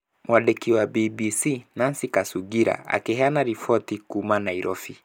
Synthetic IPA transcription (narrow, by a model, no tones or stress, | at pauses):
wʔaɗɛkiwabibisinansikasuɡiɾa̰a̰kɛɦanaɾifɔtikumanaiɾʔɔfi